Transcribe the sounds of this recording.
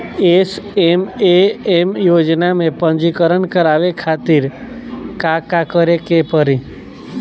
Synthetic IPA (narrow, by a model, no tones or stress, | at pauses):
esemeemjod͡ʒnamẽpəɲd͡ʒikəɾəɳkəɾaʋekʰat̪iɾ | kakakəɾekepəɾĩ